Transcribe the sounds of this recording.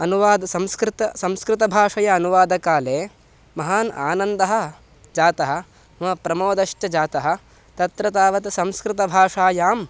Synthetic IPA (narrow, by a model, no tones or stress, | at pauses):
ɐnuʋaːd̪ɐsɐ̃mskɾɪt̪ɐsɐ̃mskɾɪt̪ɐbʱaːʂɐjɐːnuʋaːd̪ɐkaːleː | mɐɦaːna̰ːnɐnd̪ɐɦɐ̆ | d͡ʒaːt̪ɐɦɐ̆ | mɐpɾɐmoːd̪ɐʂʈɐd͡ʒaːt̪ɐɦɐ̆ | t̪ɐt̪ɾɐt̪aːʋɐt̪sɐ̃mskɾɪt̪ɐbʱaːʂaːjaːm